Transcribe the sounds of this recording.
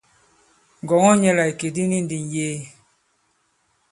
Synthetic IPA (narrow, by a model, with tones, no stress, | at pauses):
ŋ˨ɡɔ˨ŋɔ˦ɲɛ˦la˨i˨ke˨di˦ni˦n˦di˨n˨jeː˦